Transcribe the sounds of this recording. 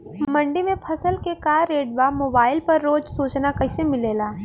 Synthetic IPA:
mɐ̃ɳɖimẽpʰɐsəlkekaːɾːeːɖbamoːbaːɪlpɐɾːoːd͡ʒsuːt͡ʃnakɐɪsemɪleːlaː

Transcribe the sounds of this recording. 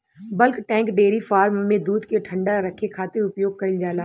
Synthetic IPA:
bəlkʈɛ̃ːŋkɖeːɾifaːɾmmẽd̪uːd̪keʈʰə̃ɳɖaɾəkʰːekʰaːt̪ɪɾʊpjoːɡ̚kɐɪld͡ʒaːlaː

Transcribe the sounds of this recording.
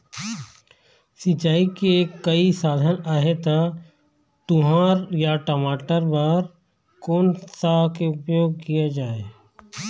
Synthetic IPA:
sit͡ʃaːikekːɐisaːd̪ʱənaːɦet̪a | t̪ʊɦaːɾjaʈəmaːʈəɾbəɾ | koːnsakeʊpjoːɡ̚kijad͡ʒaːeː

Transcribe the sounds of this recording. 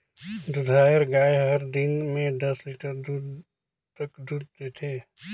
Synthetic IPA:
d̪ʊd̪ʱaːəɾɡaːeɦɐɾd̪ɪnmẽd̪ɐswiːʈəɾd̪uːd̪ | t̪əkd̪uːd̪̚t̪et̪ʰeː

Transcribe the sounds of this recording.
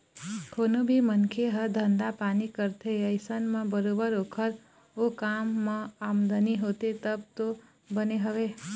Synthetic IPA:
kʰonobʱimənkʰeɦəd̪ʱənd̪apanikəɾt̪ʰeəjsənmãbəɾobəɾokʰəɾ | okamːãamd̪əniɦot̪et̪əb̚t̪o | bəneɦəʋe

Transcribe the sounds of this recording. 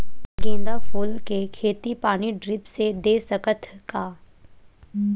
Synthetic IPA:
ɡẽːnd̪afoːlkekʰeːt̪ipaːniɖɾɪpsed̪eːsəkət̪kaː

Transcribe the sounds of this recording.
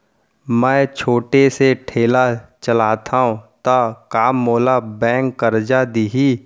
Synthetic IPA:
mɛ̃ːt͡ʃʰoːʈeseʈʰeːlat͡ʃəlaːt̪ʰaɦũt̪akaːmːoːlabɛ̃ːŋkːəɾd͡ʒad̪iɦi

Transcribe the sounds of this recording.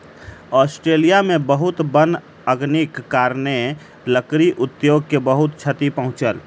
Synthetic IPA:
ɔːsʈɾeːlijamẽbəɦʊt̪bən | əɡnikːaːɾne | ləkɾiʔʊt̪joːɡkebəɦʊt̪̚t͡ʃʰət̪ipəɦʊ̃t͡ʃəl

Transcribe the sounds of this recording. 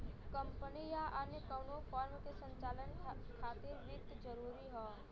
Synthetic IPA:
kəmpənijaʔənjəkəːnopʰɔːɾmkesə̃ɲt͡ʃaːlənkʰaːt̪ɪɾʋɪkt̪d͡ʒəɾuːɾiɦɛː

